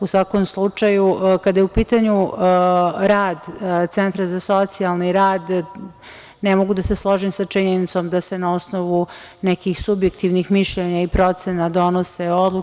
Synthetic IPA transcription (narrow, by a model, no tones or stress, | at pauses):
usʋakomslˠut͡ʂajukad̪ajeupiːt̪aɲu | ɾaːd̪t̪sent̪ɾazaso̞t̪sialˠniɾaːd̪ | nemoɡud̪aseslˠo̞ʒimsat͡ʂiɲenit̪so̞md̪asenaosnoʋu | nɛkixsubje̞kt̪iʋnixmiʃʎeɲaipɾo̞t̪senad̪o̞noseo̞d̪lu